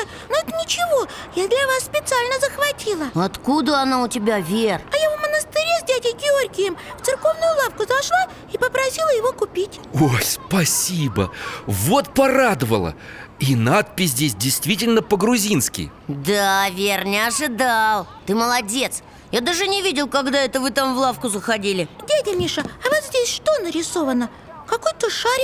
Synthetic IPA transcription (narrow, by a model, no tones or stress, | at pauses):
noɛt̪ənʲɪt͡ɕɪvo̞jad̪lʲɐvasːpʲɪt̪sɨalʲnəzəxvɐtʲilˠəɐt̪kud̪əɐnaʊtʲɪbʲavʲerɐjavmənəst̪ɪɾʲezʲdʲædʲɪɡʲɪo̞rʲɡʲɪjɪmft̪sɨrko̞vnʊjʊlˠafkʊzɐʂlˠa | ipəpɾɐsʲilˠəjɪvo̞kʊpʲitʲ | ojspɐsʲibə̰vo̞t̪̚pɐrad̪əvə̰lˠə̰ | inat̪̚pʲɪsʲzdʲesʲdʲɪjst̪vʲitʲɪlʲnəpəɡɾʊzʲinskʲɪ̰jd̪avʲernʲəɐʐɨd̪alˠt̪ɨməlˠɐdʲe̞t̪s | jad̪aʐɨnʲɪvʲidʲɪlˠkɐɡd̪aɛt̪əvɨt̪amvlˠafkʊzəxɐdʲilʲɪdʲædʲəmʲiʂəɐvazzʲdʲesʲʂt̪o̞nəɾʲɪso̞vənə | kɐkojt̪oʂaɾʲ